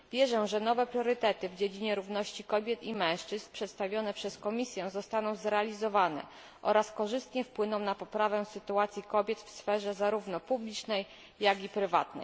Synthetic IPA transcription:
vʲjɛʐɛ̃ʐɛnɔvɛpɾʲjɔɾɘt̪ɛt̪ɘvd͡ʑed͡ʑiɲɛɾuvnɔɕt͡ɕikɔbʲjɛt̪imɛ̃w̃ʂt͡ʂɘsnpʂɛt̪st̪avʲjɔnɛpʂɛskɔmʲisʲjɛ̃zɔst̪anɔ̃w̃zɾɛalʲizɔvanɛ̰ | ʔɔɾaskɔʐɘst̪ɲɛfpwɘnɔ̃w̃napɔpɾavɛ̃sɘt̪uat̪sʲjikɔbʲjɛt̪fsfɛʐɛzaɾuvnɔpublʲit͡ʂnɛjː | aɡʲipɾɘva̰t̪nɛ̰

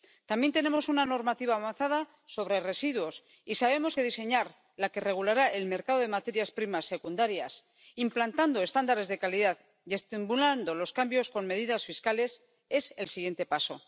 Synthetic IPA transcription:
t̪ambje̞nt̪e̞ne̞mo̞sunano̞ɾmat̪iβaːβanθaða | so̞β̞ɾere̞siðwo̞s | isaβ̞e̞mo̞skeðise̞ɲaɾ | lake̞re̞ɣ̞ulaɾaʔe̞lme̞ɾkaðo̞ð̞e̞mat̪e̞ɾjaspɾimasːe̞kund̪aɾjas | implant̪and̪o̞e̞st̪and̪aɾe̞zðe̞kaliðað | je̞st̪imbuland̪o̞lo̞skambjo̞sko̞nme̞ðiðasfiskale̞s | e̞se̞lsiɣje̞nt̪e̞paso̞

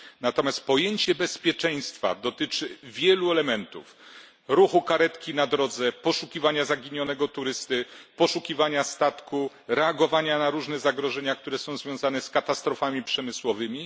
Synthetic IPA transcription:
nat̪ɔmʲjast̪̚pɔjeɲt͡ɕɛbɛspʲjɛt͡ʂɛj̃st̪fa̰d̪ɔt̪ɘt͡ʂɘvʲjɛluɛlɛmɛnt̪ṵf | ɾuxukaɾɛt̪kʲinad̪ɾɔd̪zɛpɔʂukʲivaɲazaɡʲiɲɔnɛɡɔt̪uɾɘst̪ɘpɔʂukʲivaɲast̪at̪ku | ɾɛaɡɔvaɲanaɾuʐnɛzaɡɾɔʐɛɲakt̪uɾɛsɔ̃w̃zvʲjɔ̃zanɛskat̪ast̪ɾɔfamʲipʂɛmɘswɔvɘmʲi

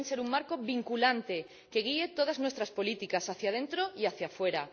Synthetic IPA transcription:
ŋseɾuŋmaɾkoβiŋkulant̪e | keɣiet̪oð̞aznwest̪ɾaspolit̪ikasaθjað̞ent̪ɾoiaθjafweɾa

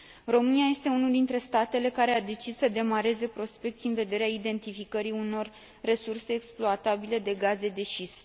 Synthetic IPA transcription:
ro̞mɨniaje̞st̪e̞unuld̪int̪ɾe̞st̪at̪e̞le̞kaɾe̞ad̪e̞t͡ʃissəd̪e̞maɾe̞ze̞pɾo̞spe̞k̚t̪sʲiɨnve̞d̪e̞ɾeaid̪e̞nt̪ifikəɾiuno̞rː | e̞surse̞ːksploat̪abile̞d̪e̞ɡaze̞d̪e̞ʃis

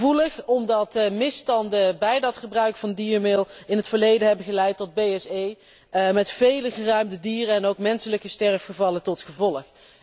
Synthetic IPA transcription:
vuləχɔmdɑtmɪstɑndəbɛjdɑtχəbrœɥkfɑndiːəmɪlˠɪnɦətfəɹlejdəɦɛbənɣəlɛjtːɔd̚bejɛsej | mɛtfejləχərœɥmdədiːrənɛnowkmɛnsələkəstɛɹfχəvɑlətɔtχəvɔləχ

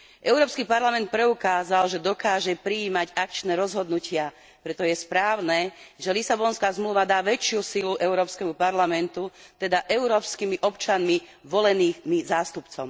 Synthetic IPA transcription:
ʔɛʊɾɔːpskipaɾlamɛnt̪̚pɾɛukaːzalʒɛd̪ɔkaːʒɛpɾiːmaɟak̚t͡ʃnɛːɾɔzɦɔd̪nucɪa | pɾɛt̪ɔjɛspɾaːʊnɛːʒɛlisabɔnskaːzmluːʋad̪aːʋɛt͡ʃɪusiluʔɛʊɾɔːpskɛmupaɾlamɛnt̪ut̪ɛd̪aʔɛʊɾɔːpskimiʔɔpt͡ʃanmi | ʋɔlɛniːmizaːst̪upt͡sɔm

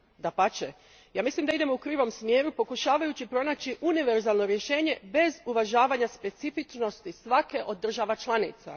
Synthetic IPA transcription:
d̪apat͡ʃe | jaːmislimd̪aid̪e̞mo̞ukɾiːʋo̞msmje̞ːɾupo̞kuʃaːʋajut͡ɕipɾo̞naːt͡ɕiʔuniʋe̞ɾzalˠno̞ɾje̞ʃe̞ːɲe̞be̞zuʋaʒaːʋaɲaspe̞t̪sifit͡ʃno̞st̪isʋake̞ʔo̞d̪ːr̩ʒaʋat͡ʃlˠanḭt̪sa̰

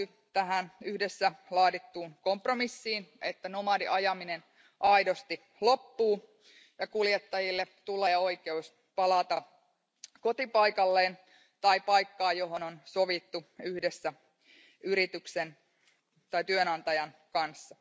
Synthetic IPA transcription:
y | t̪æɦænyhdesːælɑːdit̪ːuːnkompromisːiːnʔet̪ːænomɑdiʔɑjɑminen | ʔɑidost̪i | lo̞pːuː | jɑkuljet̪ːɑjilːet̪uleːo̞ike̞us | pɑlɑt̪ɑ | ko̞t̪ipɑikɑlːeːn | t̪ɑipɑjkːɑːjo̞ɦo̞nonsoʋit̪ːuyhdesːæ | yɾit̪yksen | t̪ɑit̪yønɑnt̪ɑjɑnkɑnsːɑ

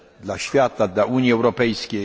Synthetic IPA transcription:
d̪laɕfʲjat̪ad̪laʔuɲjiɛwɾɔpɛjskʲɛ

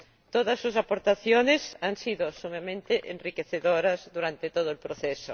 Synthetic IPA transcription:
t̪oðɐsːusapoɾt̪aθjonesaŋsiðosumemẽnt̪eʔḛnrikeθeðoɾɐzðuɾant̪et̪oð̞oelpɾoθɛso

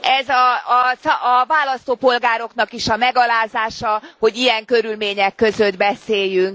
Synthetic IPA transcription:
ɛzɒːsːvaːlɒst̪oːpo̞lɡaːɾo̞knɒkiʃɒmɛɡɒlaːzaːʃɒho̞ɟijɛŋkø̞ɾylmeːɲɛkːøzø̞d̪bɛseːjːyŋk

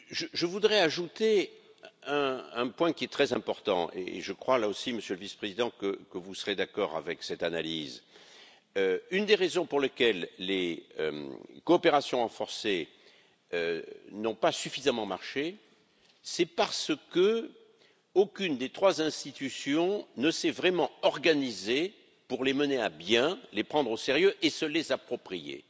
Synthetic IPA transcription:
ʒəʒəvud̪ʁɛaʒut̪e | ɛ̃ːpwɛ̃kʲiɛt̪χɛzɛ̃pɔʁt̪ɑ̰̃ʔḛːʒəkχwalaosiməsjøləvispχezid̪ɑ̃kəkəvusəʁed̪akɔʁa̰vɛksɛt̪analiz | øynd̪eʁezɔ̃puʁlekʲɛlːeø̰koːpeʁasjɔ̃ɑ̃fɔʁse | ønɔ̃pasyfizamɑ̃maʁʃe | sɛpaʁsəkə | okʲynd̪et̪χwazɛ̃st̪it̪ysjɔ̃nəsɛvʁɛmɑ̃ɔʁɡanize | puʁleməneabjɛ̃lepχɑ̃d̪ʁoseʁjøʔesəlezapχɔpχijḛ

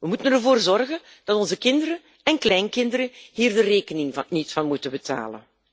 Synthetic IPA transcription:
ʋəmutənərvoːrzɔrɣən | d̥ɑtɔnzəkɪndəɾə | ɛnklɛjnkɪndəɾəɦiːrdəreːkənɪŋvɑnitsfɑnmutəbəta̰ːlə̰n

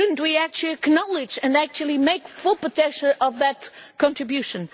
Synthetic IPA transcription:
ʊdⁿn̩t̚wiæk̚t͡ʃlˠiɨknɑlˠɪd͡ʒɨ̃næk̚t͡ʃul̩ˠimeɪkfʊlˠpətɛʃə̃nʔʌvðɨtkɑ̃ntɹ̥ɨbjʉʃɨ̃n

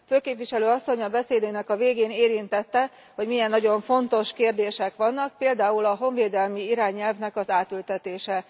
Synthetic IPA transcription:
føːkeːpvʋiʃɛløːɒsːo̞ɲɒbɛseːd̪enɛkɒveːɡeːneːɾint̪ɛt̪ːɛ | ho̞ɟmijɛnːɒɟo̞ɱfo̞nt̪o̞ʃkeːrd̪eːʃɛkʋɒnːɒk̚peːld̪aːulɒɦo̞ɱveːd̪ɛlmiiɾaːɲːɛlvnɛkɒzaːt̪ylt̪ɛt̪eːʃɛ

